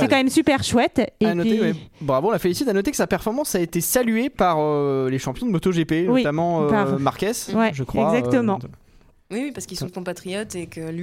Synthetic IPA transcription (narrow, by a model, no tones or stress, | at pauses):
ɛkɑ̃mɛmsypɛʁʃwɛt̪enɔiwɛbʁavõlafelisit̪anɔt̪ekə̥sapɛʁfɔʁmɑ̃saet̪esalɥepaʁøleʃɑ̃pjɔ̃d̪əmot̪oʒepenwit̪amɑ̃ømaʁkʲɛswɛʒəkχwɛaɡzakt̪əmɑ̃ | wiwipaʁskisɔ̃d̪əkɔ̃pat̪χijɔt̪ekəl